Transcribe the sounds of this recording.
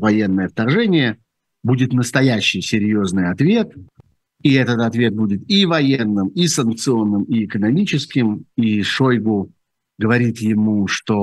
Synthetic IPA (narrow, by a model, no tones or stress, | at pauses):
vɐje̞nːəjəft̪ɐrʐɛnʲɪjə | budʲɪt̪nəst̪ɐjæɕːɪjsʲɪɾʲjo̞znɨjɐt̪vʲe̞t̪ | iɛt̪ət̪ɐt̪vʲe̞t̪̚budʲɪt̪ivɐjenːɨmisənk̚t̪sɨo̞nːɨmɪɪkənɐmʲit͡ɕɪskʲɪmiʂojɡʊ | ɡəvɐɾʲit̪jɪmuʂt̪o̞